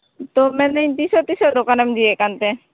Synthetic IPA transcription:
t̪ɔmɛnɛɲt̪isɔt̪isɔd̪ɔkanɛmd͡ʒiɛʔkant̪ɛ

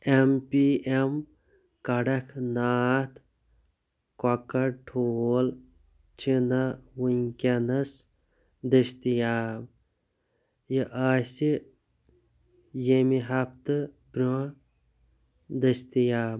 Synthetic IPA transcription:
empiem | kɐɽɐkʰnaːt̪ʰ | kakɐʈʰoːl | t͡ʃʰinɐwunkʲenɐs | d̪ɐst̪ijaːm | jiʔaːsi | jemiɦɐp̚t̪ɨ | bɾu | d̪əst̪ijaːm

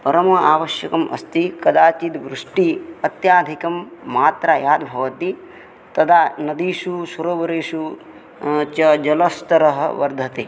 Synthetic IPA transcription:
pɐɾɐmɐaːʋɐʃjɐkɐmʔɐ̰st̪ikɐd̪aːt͡ʃit̪ʋɾuʂʈiɐt̪jaːd̪ʱikɐmːaːt̪ɾajaːd̪bʱɐʋɐt̪i | t̪ɐd̪aːnɐd̪iʃusɐɾoːʋɐɾeːʃu | t͡ʃɐd͡ʒɐlɐst̪ɐɾɐɦɐ̰ʋɐɾd̪ʱɐt̪eː

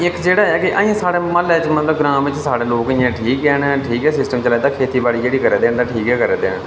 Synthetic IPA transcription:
ɪkd͡ʒeːɽaːɛːkɪʔəːĩãːsaːɽeːmalɛːt͡ʃmət̪ləbɡɾãːmʋɪt͡ʃsaːɽeːloːkəɪːãːʈʰiːkɛːɦənʈʰiːkɛːsɪsʈəmt͡ʃəlaːt̪ãːkʰeːt̪iːbaːɽiːd͡ʒeːɽiːkəɾɛːd̪eːnd̪ãːʈʰiːkɛːkəɾɛːd̪eːən

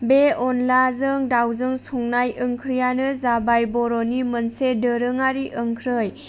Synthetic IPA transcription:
beɔnlazɯŋdawzɯŋsɔŋnajɯŋkʰɾijanɯzabajbɔɾɔnimənsedəɾɯŋaɾiʔəŋkʰɾɯj

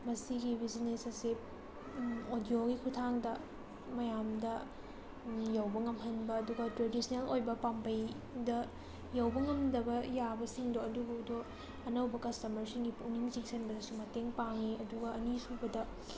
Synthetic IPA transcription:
mɐsiɡibiznesɐse | odijoɡikʰutʰaŋdɐ | mɐjamdɐ | jawbɐŋɐmɦɐnbɐːduɡɐtɾedisɐnelojbɐpampɐj | dɐ | jɐwbɐŋɐmdɐbɐjabɐsiŋdoɐduɡudo | ɐnɐwbɐkɐstɐmɐɾsiŋɡipuniŋt͡ʃiŋsʰenbɐdɐsumɐteŋpaŋiɐduɡɐɐnisubɐdɐ

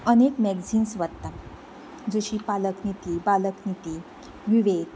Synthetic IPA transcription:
ənekmɛɡd͡ziːnsʋəd̪t̪a | d͡zoɕiːpaləknit̪iːbaləknit̪i | ʋiʋet̪

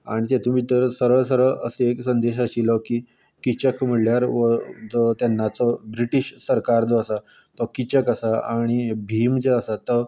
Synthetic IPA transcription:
aɽ̃it̪ɛt̪um̤iːt̪əɾsəɾəɭs̬əɾəɭʔəseeksənd̪eɕ̬əɕiləkiː | kit͡ɕəkm̤əɽljaɾʋɔd͡zɔt̪janːat͡sɔbɾiʈiɕsəɾkaɾd͡zɔəsa | t̪ɔkit͡ɕəkəsaaɽ̃ibʱiːmd͡zeəsat̪ɔ

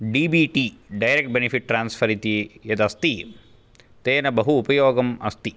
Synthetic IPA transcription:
ɖiːbiːʈiːɖɐjɾek̚ʈ̚benipʰiʈ̚ːɾaːnspʰɐɾit̪ijɐd̪ɐst̪i | t̪eːnɐbɐɦuːpɐjoːɡɐmɐ̰st̪i

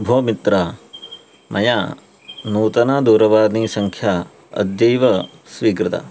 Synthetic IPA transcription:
bʱoːmit̪ɾa | mʔɐ̰ja | nuːt̪ɐnaːd̪uːɾɐʋaːɾniːsɐŋkʰja | ɐ̰d̪jɐjʋɐ | sʋiːkɾɪt̪ɐ̰

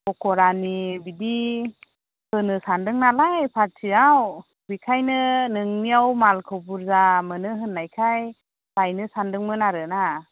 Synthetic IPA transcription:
ɔkɔɾanibidi | hɯnɯsandɯŋnalajpʰaɾ̚tʰiaw | bikʰajnɯnɯŋniawmalkʰɯbuɾzamɯnɯɦɯnːajkʰaj | sajnɯsandɯŋmɯnaɾɯna

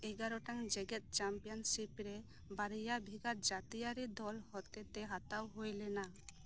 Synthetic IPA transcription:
ɛɡaɾɔʈaŋd͡ʒɛɡɛt̪̚ˀt͡ʃampijɔnsipɾɛ | baɾijabʱiɡaɾd͡ʒat̪ijaɾid̪ɔlhɔt̪ɛt̪ɛɦat̪awɦojlɛna

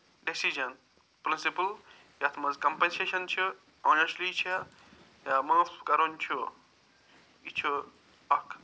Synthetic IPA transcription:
ɖesid͡ʒɐn | pɾinsipəl | jat̪ʰmɐzkɐmpenseʃɐnt͡ʃʰu | anɐslit͡ʃʰɐ | jamãfkɐɾont͡ʃʰu | it͡ʃʰu | ɐkʰ

